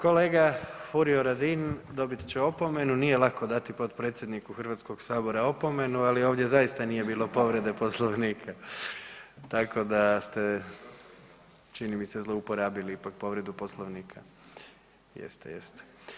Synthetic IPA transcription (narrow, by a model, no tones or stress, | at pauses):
ko̞le̞ːɡafuɾioɾad̪ind̪o̞bit̪t͡ɕeo̞po̞me̞nunije̞lˠako̞d̪at̪ipo̞t̪pɾet̪sjed̪nikuxr̩ʋat̪sko̞ɡsaːbo̞ɾao̞po̞me̞nualio̞ːʋd̪je̞zaist̪anije̞biːlo̞po̞ʋɾe̞d̪e̞po̞slˠoʋniːkʰa | t̪akʰo̞d̪ast̪e̞ | t͡ʃinimise̞zlˠo̞upo̞ɾaːbiliipak̚po̞ʋɾe̞d̪upo̞slˠoʋniːkʰa | jḛst̪ḛjḛst̪e̥